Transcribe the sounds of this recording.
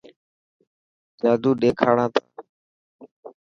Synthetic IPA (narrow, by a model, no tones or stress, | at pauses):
d͡ʒaːd̪uːɗeːkʰaːɽãːt̪ʰa̰ː